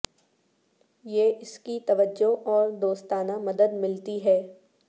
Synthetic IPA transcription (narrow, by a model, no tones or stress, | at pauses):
jeːʔɪskit̪ɐʋəd͡ʒoʔɔːɾd̪oːst̪aːnamɐd̪əd̪mɪlt̪iɦɛː